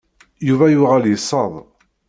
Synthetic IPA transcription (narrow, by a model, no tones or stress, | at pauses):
juvæjʊʁaljəsˤːəðˤ